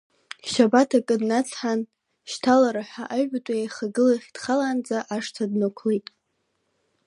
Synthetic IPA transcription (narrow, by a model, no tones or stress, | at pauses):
ʃabatʰakʼɨdnat͡sʰħan | ʃtʰalaɾaħʷᶣaʔaʒatʷʼajaχaɡɨlaχʲd̥χalaːnd͡zaʔaʂtʰadnakʷʰlejtʼ